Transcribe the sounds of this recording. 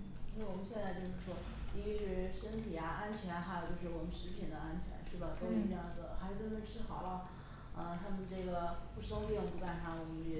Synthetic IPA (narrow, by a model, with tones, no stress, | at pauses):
nn̩˥˩i˥˩wɔ˨˩mə˦nɕjɛ˥˧nt͡sa˥˧ɪt͡ɕjo˥˧ʊʂɻ̩˥˩ʂwɔ˥ | t̪i˧i˥ʂɻ̩˥˩ʂə˥nt̪ʰi˨˩a˧˥a˥nt͡ɕʰɥɛ˧˥n˧xa˧˥o˨ʊt͡ɕjo˥˧ʊʂɻ̩˥˩wɔ˨˩mə˦nʂɻ̩˧˥pʰi˨˩nd̪ə˦a˥nt͡ɕʰɥɛ̰˧˥nʂɻ̩˥˩bə˩t̪o˥ʊi˥˩n˥jɑ˥˩ŋd͡zə˨˩xa˧˥˧nə˧˩ʈ͡ʂʰɻ̩˥xɑ˨˩ʊlə˦˧ | ə˧t̪ʰa˥mə˨nʈ͡ʂɤ˥˩ɡə˩pu˥˩ʂɤ˥ŋt̪i˥˧ŋpu˧˥ka˨˩nʰa˧˥wɔ˨˩mə˦nɛ˧˩